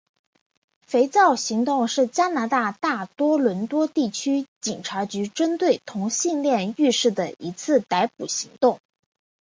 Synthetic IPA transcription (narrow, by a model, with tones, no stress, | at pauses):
fe˧˥ɪt͡sɑ˥˩ʊɕi˧˥ŋt̪ʊ˥˧ŋʂɻ̩˥˩t͡ɕja˥na˧˥t̪a˥˧t̪a˥˩t̪wɔ˥lwə˧˥nt̪wɔ˥t̪i˥˩t͡ɕʰy˥t͡ɕi˨˩nʈ͡ʂʰa˧˥t͡ɕy˧˥ʈ͡ʂə˥nt̪we˥˩ɪt̪ʰʊ˧˥ŋɕi˥˧nljɛ˥˧ny˥˧ʂɻ̩˥˩d̪ə˩i˧˥t͡sʰɹ̩˥˩t̪a˧˥ɪpu˨˩ɕi˧˥ŋt̪ʊ˥˩ŋ